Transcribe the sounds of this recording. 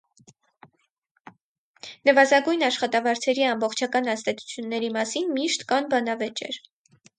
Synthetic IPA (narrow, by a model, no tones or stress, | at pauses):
nəvɑzɑɡujnɑʃχɑt̪ɑvɑɾt͡sʰɛɾiɑmbɔχt͡ʃʰɑkɑnɑst̪ɛt͡sʰu̥t͡sʰjunːɛɾimɑsinmiʃt̪kɑnbɑnɑvɛt͡ʃɛ̰ɾ